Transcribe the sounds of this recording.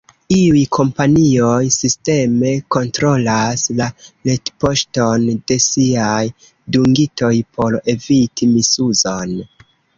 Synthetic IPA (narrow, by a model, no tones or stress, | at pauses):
iujkʰo̞mpanio̞jsiste̞me̞ko̞ntɾo̞laslaletpo̞ʃto̞nde̞siaj | duŋɡito̞jpʰo̞ɾe̞vitimisuzo̞n